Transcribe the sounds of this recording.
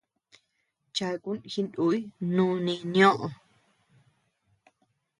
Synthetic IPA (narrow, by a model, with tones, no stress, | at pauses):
t͡ʃa˧ku˦nhi˧ndu˧˦i˦nũː˦˧nĩ˧nĩõ˦ʔõ˨